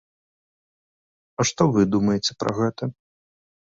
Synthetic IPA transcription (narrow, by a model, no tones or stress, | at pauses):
ɐʂt̪ɔvɨd̪umɐjet͡sʲɛ̥pɾʔɐ̰ɣɛt̪ɐ